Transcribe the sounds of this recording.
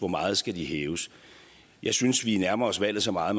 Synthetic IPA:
ʋɒmɑ̈ːð̞̩ˠsɡ̥æd̥ihɛːʊs | jɑ̈ɪsynsʋinæɐmɐɒsʋæl̰ð̩ˠsɒ̽mɑ̈ːð̩ˠm

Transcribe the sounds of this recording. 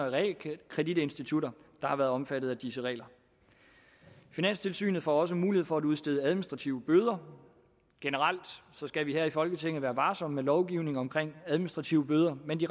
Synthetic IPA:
ɐʁ̰lkʰʁɛd̥id̥e̝nsd̥it͡sʰuɾɐd̥ɑ̈hɑ̈ʋæːɐð̩ˠɒ̽mfæd̥ð̩ˠæd̥isəʁɛ̰ːlɐ | finæn̰st͡sʰe̝lsy̰ːnð̩ˠfɒ̰ɒ̽s̬əmuːlihe̝ðˠfɒ̽æɾuðˠsd̥e̝ð̞ˠæð̞ˠminisd̥ʁɑ̈t͡sʰiʊəb̥øð̞ˠɐ | ɡ̥enəʁal̰d̥sɒ̽sɡ̥æʋihæɐ̰ifɒ̽lɡ̥ət͡sʰeŋ̰n̩ˠʋæːɐʋɑ̈ːsɒ̽mmelɒʊɡ̥iʊ̰ne̝ŋɒ̽mkʰʁeŋ̰æðˠminisd̥ʁɑ̈t͡sʰiʊəb̥øːð̞ˠɐmend̥i

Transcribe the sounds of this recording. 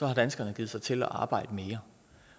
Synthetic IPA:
sɒ̽hɑ̈d̥ænsɡ̥ɐnəɡ̥ið̩ˠsɑ̈ɪt͡sʰe̝lɒ̰ʔɑ̈ːb̥ɑ̈ɪ̰d̥əme̝ːɐ

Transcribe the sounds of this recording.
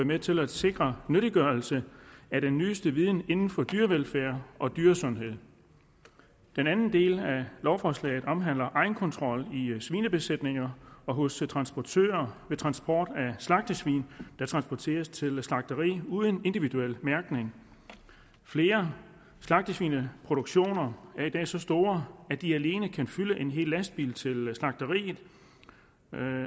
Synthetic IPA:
met͡sʰe̝læd̥se̝ɡ̥ʁɐnøɾiɡ̥ɶɐlsəæɾ̥enːyːsd̥əʋiːð̞ˠn̩e̝nn̩fɒ̽d̥yːɐʋelfæɐ̰ʔɒ̽d̥yːɐsɔ̽nɦe̝ð̰ˠ | d̥enænn̩d̥e̝̰ːlælɒʊfɒslɛ̰ɪð̩ˠɒ̽mɦæn̰lɐʔɑ̈ɪn̩kʰɒ̽nt͡sʰʁɒ̽l̰isʋiːnəb̥e̝sed̥ne̝ŋɐɒ̽ɦɔ̽st͡sʰʁɑ̈nsb̥ɒt͡sʰø̰ːɐʋe̝t͡sʰʁɑ̈nsb̥ʰɒ̰ːd̥æslɑ̈ɡ̥̚d̥əsʋḭːnd̥ɑ̈t͡sʰʁɑ̈nsb̥ɒt͡sʰe̝̰ːɐst͡sʰe̝lslɑ̈ɡ̥̚d̥əʁḭːuːðˠəne̝nd̥iʋiduel̰mæɐɡ̥ne̝ŋ | fle̝ːɐ | slɑ̈ɡ̥̚d̥əsʋḭːnəpʰʁo̝ɾ̥uɡ̥ɕo̝̰ːnɐæɐid̥ɛ̰ːsɒ̽sd̥o̝ːɐæd̥iæle̝ːnəkʰænfyləʔe̝nɦe̝̰ːlːæsd̥̚b̥ḭːlt͡sʰe̝lslɑ̈ɡ̥d̥əʁḭːð̩ˠ

